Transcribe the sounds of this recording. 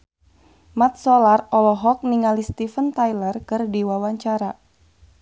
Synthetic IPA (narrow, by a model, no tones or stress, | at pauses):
mat̪̚sɔlarɔlɔɦɔk̚niŋalist̪ifənt̪ajlərkɨrdiwawaɲt͡ʃaɾa